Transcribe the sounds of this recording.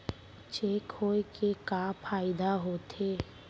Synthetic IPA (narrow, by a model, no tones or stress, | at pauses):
t͡ʃeːkʰoːekekapʰaːɪd̪aɦoːt̪eː